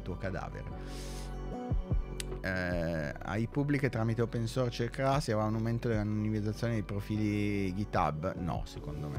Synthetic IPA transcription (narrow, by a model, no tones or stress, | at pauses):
lt̪uːokad̪a̰ːvḛɾḛ | a̰jpubːliket̪ɾaːmit̪eopensorst͡ʃekɾasiavaunawment̪od̪elanonimid̪zːat̪sːjoːned̪ipɾofiːliɡit̪a̰bnɔ̰sekond̪omḛ